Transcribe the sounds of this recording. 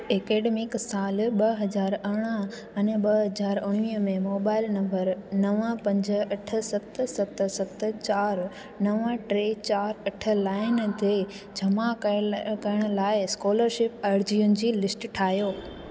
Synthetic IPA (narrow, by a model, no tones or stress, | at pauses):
eːkeːɖeːmɪksaːlɓɐɦɐzaːɾɐɽ̃ə | ɐnɓɐɦɐzaːɾʊɽʋimẽmoːbaːɪlnɐ̃mbəɾnɐʋə̃pɐ̃ɲd͡ʑəɐʈʰə̆sɐt̪sɐt̪̆sɐt̪t͡ɕaːɾ | nɐʋə̃ʈɾeːt͡ɕaːɾɐʈʰə̆laːɪnt̪ʰe | d͡ʑʱɐmakɐəɽ̃ʊ̆laːɪskoːləɾʃɪpaːɾd͡ʑiːʊnɪ̆d͡ʑiːlɪsʈʈʰaːɦijoː